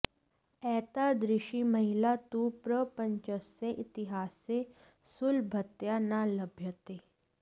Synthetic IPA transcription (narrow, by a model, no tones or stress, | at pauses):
ɛːt̪ad̪ɾɪʃimɐɦilat̪upɾəpə̃ɲt͡ʃəsːeʔɪt̪ɪɦaːsːe | sʊlbʱɐt̪janalɐbʱjət̪eː